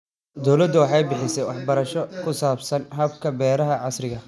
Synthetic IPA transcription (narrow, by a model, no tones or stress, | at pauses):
d̪ɔwlɐd̪ʊwɑħɑjbɪħɪsɛjwɑħbɐɾɐʃɔkʰʊsaːbsɐnɦɐb̚kʰɐbɛːɾɐɦɐʕɑsrɪɣɐ